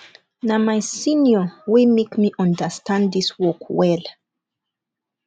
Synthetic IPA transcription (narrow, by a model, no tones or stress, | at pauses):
namajsĩnjɔwimekmiʔãndəstʰãnddiswɔkwɛl